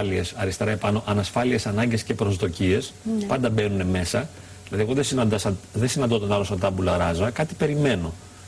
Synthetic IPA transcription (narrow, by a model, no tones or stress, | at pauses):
lie̞sɐɾist̪e̞ɾɐe̞pɐno̞ʔɐnɐsfɐlie̞sɐnɐɲɟe̞sce̞pɾo̞zðo̞cie̞spɐnd̪ɐbe̞nune̞me̞sɐ | ðilɐðieɣo̞ðesinɐd̪ɐsɐðesinɐnd̪ot̪ɐnɐlosɐt̪ɐbulɐɾɐzoɐkɐt̪i̥pe̞ɾime̞no̞